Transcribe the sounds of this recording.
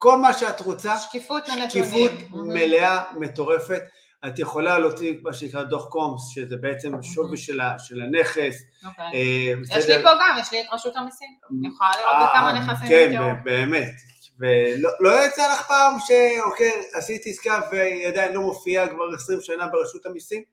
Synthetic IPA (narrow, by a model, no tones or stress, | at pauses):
ko̞lmaʃeatʁot͡saʃkifut̪kifut̪meleame̞t̪o̞ʁe̞fe̞t̪ | at̪je̞χo̞lalot͡simaʃenikʁad̪oχkomsʃezebe̞et͡se̞mʃoveʃelaʃe̞lane̞χe̞s | ebesjeʃd̪epoɡamjeɛʃliʁaʃut̪amisimχolaliamaneχasikenbebeːme̞t | velolo̞jat͡salaχpaːmʃeo̞kejasit̪iiskavejad̪ainlo̞mo̞fiakvaʁesʁimʃanabeʁaʃutamisim